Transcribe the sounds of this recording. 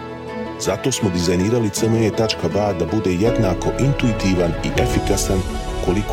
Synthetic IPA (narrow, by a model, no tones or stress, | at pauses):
zat̪o̞ːsmo̞d̪izajniːɾalit̪səmeet̪at͡ʃkabad̪abud̪e̞je̞d̪naːko̞ʔint̪uit̪iːʋaniʔe̞fikasan | ko̞lik